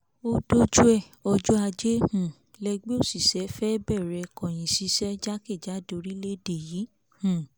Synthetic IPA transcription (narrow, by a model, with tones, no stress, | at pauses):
o˦do˦d͡ʒu˦ɛ˦˨ | ɔ˧d͡ʒu˦a˧d͡ʒe˦hũ˦˨ | lɛ˧ɡ͡be˦o˦˨si˨sɛ˨˦fɛ˦bɛ˦˨ɾɛ˧kɔ̃˨j̃ĩ˨si˨˦sɛ˦d͡ʒa˦ke˦˨d͡ʒa˨˦do˧ɾi˦le˦de˨ji˨˦ | hũ˨